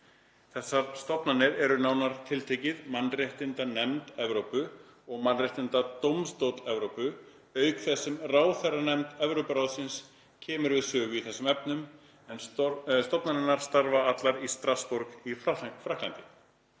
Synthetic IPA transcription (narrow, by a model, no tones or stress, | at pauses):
θɛsːaɾst̪ɔpnanɪɾɛɾʏnaːwnaɾt̪ʰɪlt̪ʰeːcɪðmanreht̪ɪnt̪anɛmt̪ɛvɾowpʏ | ɔɣmanreht̪ɪnt̪at̪owmst̪owt̪ɛvɾowpʏ | œːɥkθɛsːʏmraːwθɛranɛmt̪ɛvɾowpʏɾawðsɪns | cʰɛːmʏɾvɪðsœːɣʏiθɛsːʏmɛpnʏm | ɛnst̪ɔpnanɪnaɾ̥st̪aɾvaat̪laɾist̪ɾaspɔɾkifafɾahklant̪ɪ